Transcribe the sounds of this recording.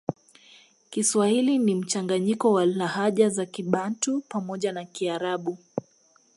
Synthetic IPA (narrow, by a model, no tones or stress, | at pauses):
kiswahilinim̩t͡ʃaŋɡaɲikɔwalahaʄazakiɓantupamɔʄanakiaɾaɓu